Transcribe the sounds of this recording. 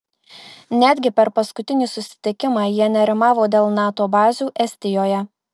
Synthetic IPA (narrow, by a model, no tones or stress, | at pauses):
nʲæːd̪ʲɡʲɪpʲɛɾpɐskʊt̪ʲɪnʲiːsʊsʲɪ̥t̪ʲɪkʲɪmɑːjiɛnʲɛɾʲɪmɑːʋoːd̪ʲeːlˠnɑːt̪oːbɑːzʲuːʔɛsʲt̪ʲɪjoːjɛ